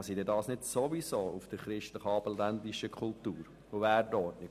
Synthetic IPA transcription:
sid̪ɛdɑːsnɪtsoʋisoːufd̪̥əɾχɾɪʃtləχɑːbəlːænd̪iʃəkʰχult̪uːɾ | ʊʋæːɾdɔtnɪ

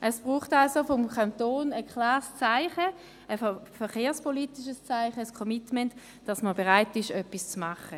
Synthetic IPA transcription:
ʔəsb̥ʁuːχtalsofɔmkʰantoːnəkʰlɑːʁst͡saɪχə | əfɛχeːɐspoliːtiʃəst͡saɪχəskʰɔmitmɛnt | d̥ɑsməbeʁaɪtɪʃœpːist͡smaχə

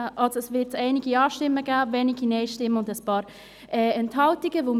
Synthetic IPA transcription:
ʔɑlsoɛsvɪtsɛɪnɪɡiɑːʃtɪmːəɡaːvɛniɡ̥inɛɪʃtɪmːəʊndəspɑːɾ | ʔɛːɛnthɑltɪɡəvoːm

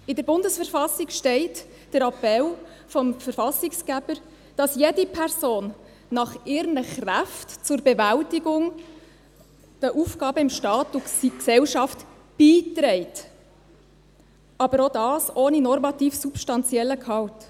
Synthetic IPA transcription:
ɪdəɾbʊndəsfəɾfɑsɪɡʃtɛɪt | d̥əɾɑpːɛl | fɔmfəɾfɑsɪkskæb̥əɾ | d̥ɑsjɛdipʰɛɾsoːnː | ɑχɪɾnəχræftt͡sʊɾbɛvæltɪɡʊŋ | d̥əʔuːfkɑːbəɪmʃtɑːtʊiksɛwʃɑft | b̥iːtɾɛɪt | ɑbəɾodɑːsoːninɔrmɑtiːfsupʃtɑnt͡sjɛlːəkʰɑwt

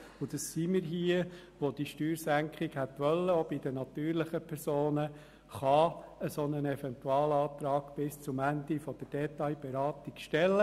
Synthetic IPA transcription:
ʊd̥̪ɑsːiːmɪɾɦiə | ʋod̥̪iʃtyːɾsæŋkχiɡhɛt̪ʋœlːəobid̪ənɑt̪yːɾlɪχəpʰɛɾsoːnə | χɑəsonənɛfɛnt̪uɑːlɑːt̪ɾɑːɡ̥b̥ɪst͡sʊmænd̪ifɔd̥əɾd̥ɛt̪ɑɪbɛɾɑːt̪ikʃtɛlːə

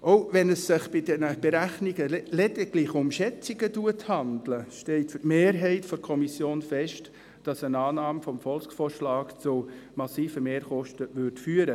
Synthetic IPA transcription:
ʔoʊʋɛnəsːɪχb̥ɪdɛnəb̥ɛɾæχniɡəlɛditlɪχʊmʃɛt͡sɪɡətuəthɑndləʃtɛltfytmeːɾɦɛɪtfɔɾkʰɔmisjoːnfɛʃt | d̥ɑsənɑːnɑːmfɔmfɔlkfoːrʃlɑːkt͡sʊmɑsiːfəmeːɾχɔʃtəʋʏɾtfyːəɾə

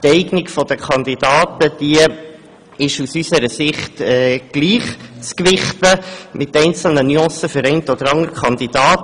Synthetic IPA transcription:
t̪ɛɪɡnɪkfɔd̥̪əkʰɑnd̪id̥ɑːt̪əd̥iə | ɪʃusysəɾəsɪχtɛːɡ̥liːχt͡skʋɪχtəmɪtɛɪnt͡sl̩nənyɑ̃ːsəfəɾɛɪntɔd̥̪əɾɑŋəɾkχɑnd̪id̥ɑːt

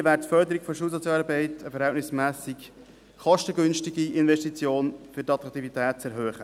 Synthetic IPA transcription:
ʋæːɾttfœɾdəɾikfoɔʃuːsɔt͡sjɑɾbɛɪtəfɛɾhɛltnɪsmæːsik | χɔʃtəɡʏnʃtiɡiɪnvɛʃtit͡sjoːnfʏɾtɑt̪ʁɑkt̪ivit̪ɛːt̚t͡sɛɾɦœːχə

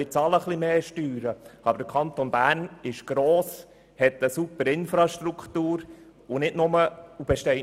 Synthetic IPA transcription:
ɪt͡sɑləχlimeːʃtyːɾəɑbəɾdəkʰɑnt̪onbæːɾnɪʃɡ̥ɾoːs | hɛt̪əsupəɾɪnfɾɑʃt̪ɾukʰt̪uːɾ | unɪdnʊməub̥ɛʃtɛɪ

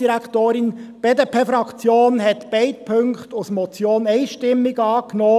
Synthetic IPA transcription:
d̥iɾækχt̪oːɾɪnb̥eːd̪eːpʰeːfɾɑkt͡sjoːnɦɛt̪b̥ɛɪt̚pʰøŋkχt̪ʊsmɔt͡sjoːnɛɪʃtɪmːɪɡɑːknoː

